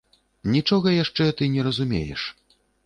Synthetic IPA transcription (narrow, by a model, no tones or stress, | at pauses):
nʲit͡ʂɔɣɐjaʂt͡ʂɛt̪ɨnʲɛɾɐzumʲḛjɛ̰ʂ